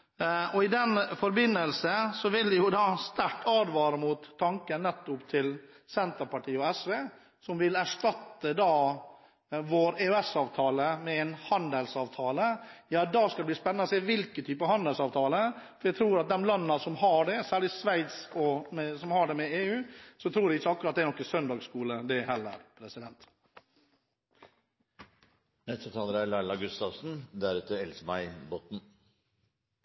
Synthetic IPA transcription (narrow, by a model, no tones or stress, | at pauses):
ɔɪd̪ɛnfɔɾbɪnːəlsəsɔʋɪld̪ɛjʊd̪ɑːst̪æʈːʰɑːd̪ʋɑːɾəmuːt̪ʰːɑŋkənːɛt̪ːʊpt̪ʰɪl | sɛnt̪əɾpɑʈʰiːəɔɛsʋeː | sɔmʋɪlæʂʈɑt̪ːəd̪ɑː | ʋoːɾeːʉɛsɑːʋt̪ʰɑːləmɛɛnhɑnd̪əlsɑːʋt̪ʰɑːləjɑːd̪ɑskɑɛb̪iːspɛnːnɔseːʋɪlkət̪ʰyːpəhɑnd̪əlsɑːʋt̪ʰɑːləfɔɾjæɪt̪ʰɾuːɾɑt̪̚d̪ɛmlɑnːɑsɔmhɑɖɛsæːɭɪsʋæɪt̪sɔmɛsɔmhɑɖɛmɛeːʉːsɔt̪ʰɾuːɾɛɪçːəɑkːɾɑt̪d̪ɛɾnɔkːəsœnd̪ɑːɡskuːləd̪ɛhɛlːə̰ɾpʰɾɛsɪd̪ɛnt̪ | nɛt̪ɔt̪ʰɑːləɾælæɪlɑɡʉst̪ɑʋsn̩d̪æɾʉːt̪əɛlsəmæɪboːt̪n̩